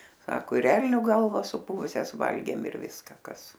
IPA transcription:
ˈsɑːkoː ɪr ˈɛlʲnʲoː ˈɡɐlˠʋɐs sʊˈpʊʋʊsʲɛs ˈʋɐlʲɡʲeːm ɪr ˈʋʲɪskɐ ˈkɐs

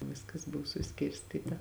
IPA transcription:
ˈʋʲɪskɐs ˈbʊʋoː sʊˈsʲkʲɪrʲsʲtʲiːtɐ

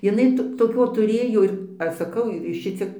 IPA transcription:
jɪˈnɐɪ toːˈkʲoː tʊˈrʲeːjoː ɪr ˈɐʃ sɐˈkɐʊ ˈʃʲɪt͡sʲiɛk

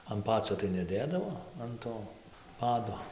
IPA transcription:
ɐn ˈpɑːt͡sʲoː tɐɪ nʲɛˈdʲeːdɐʋoː ɐn ˈtoː ˈpɑːdoː

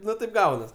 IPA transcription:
ˈnʊ tɐɪp ˈɡɐʊnɐs

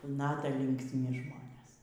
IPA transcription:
ˈnɑːtɐ lʲɪŋksʲˈmʲɪ ˈʒmoːnʲeːs

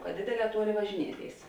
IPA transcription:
kɐ ˈdʲeːdʲeːˌlʲɛː ˈtuɔˌlʲeːɪ ʋɐʒʲɪˈnʲiɛˌtʲeːɪs

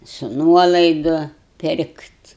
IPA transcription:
sʊ ˈnuɔlˠɐɪdʊ ˈpʲɪrktʲ

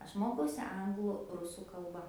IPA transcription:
ˈɐʃ ˈmoːkɐʊsʲɪ ˈɐŋɡlˠʊ ˈrʊsuː kɐlˠˈbɐ

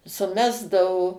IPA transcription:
sʊˈmʲæːzdɐʋoː

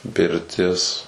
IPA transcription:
pʲɪrʲˈtʲɪs

